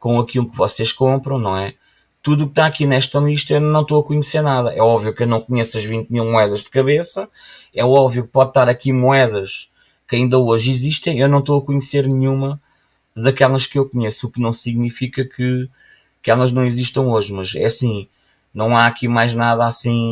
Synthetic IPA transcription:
kõɐkilˠukvɔseʃkõmpɾɐ̃w̃nɐ̃w̃ɛ | t̪uðuk̚t̪aɐkinɛʃt̪ɐlˠiʃt̪ɐewnnɐ̃w̃t̪oɐkuɲseɾnaðɐʔɛɔbvjukewnɐ̃w̃kuɲesɐʒvĩnt̪̚milˠmuɛðɐʒd̪ɨkɐβesɐ | ɛɔbvjuk̚pɔðt̪aɾɐkimuɛðɐʃ | kɐĩnd̪ɐoʒiziʃt̪ɐ̃j̃ewnɐ̃w̃t̪oɐkuɲseɾnɨɲumɐ | ðɐkɛlˠɐʃkewkuɲesuknɐ̃w̃siɣnifikɐkʰɨ | kɛlˠɐʒnɐ̃w̃iziʃt̪ɐ̃w̃oʒmɐʒɛ̰ɐsĩ | nɐ̃w̃aɐkimajʒnaðasĩ

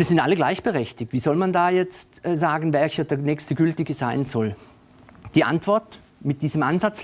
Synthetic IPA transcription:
iːɐz̥ɪntʔa̰ləɡlaɪçb̥əʁɛçtɪk̚tv̥iːzɔlmandaːjɛt͡stːzaːɡn̩vɛlçɐdɛːɐnɛːçstəɡʏltɪɡəz̥aɪnzɔl | d̥iːʔa̰ntv̥ɔɐt | mɪt̚d̥iːzəmʔanzat͡s

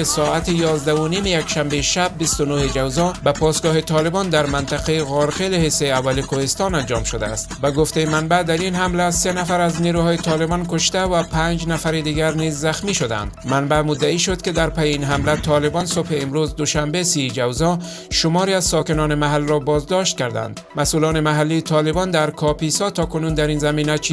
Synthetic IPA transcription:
sɔːat̪ijɒːzd̪aʊnimejakʃambeʃab̚ːist̪onohed͡ʒawzɒbapʰɒsɡɒːhet̪ʰɒːlebɔnd̪aɾmant̪aqejeɣɔɾxelhesːejavːalikohest̪ɒnand͡ʒɒmʃod̪a̰ːst̪baɡoft̪ejemanbad̪aɾinhamlasenafaɾazniːɾuhɒːjet̪ʰɒlebɒnkʊʃt̪avapʰaɲd͡ʒnafaɾed̪iːɡæɾnizːæxmiːʃod̪æ̰nd̪manbæmʊd̪ːaiːʃod̪̚ked̪æɾpæjeinɦamlæt̪ʰɒlebɒnsobheːmɾuzd̪oʃambesid͡ʒawzɒ | ʃomɒːɾiazsɒkenɒːnemaɦalɾɔbɒːzd̪ɒʃt̪̚kæɾd̪æ̰nd̪mæsuːlɔːnemaɦalːiːt̪ʰɒːlebɒnd̪æɾkʰɒpisɒt̪ʰɒːkʊnund̪æɾinzæmiːnæt͡ʃʰi

